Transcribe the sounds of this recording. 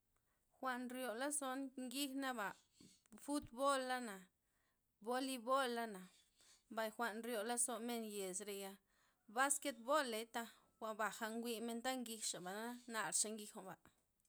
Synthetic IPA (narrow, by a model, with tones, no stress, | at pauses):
xʷa˧nɾjo˨la˦so˦nŋɡi˦xna˦ba˨ | fu˦t̪bo˦lːa˦na˨ | bo˦li˧bo˦lːa˦na˨ | mba˨jxʷa˧nɾjo˨la˦so˧me˧nje˨sɾe˧ja˧ | ba˦ske˦t̪̚bo˦le˨˦t̪a˧ | wʷa˧ba˨xa˧ŋɡʷi˧me˧nt̪a˦ŋɡi˧xʂa˨ba˨na˦na˧˨ɾʂa˧ŋɡi˧xo˨ba˨